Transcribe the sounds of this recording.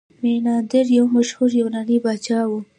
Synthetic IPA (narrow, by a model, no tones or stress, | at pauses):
menɑd̪ɪɾjawmaʃhuɾjawnanibat͡ʃɑwu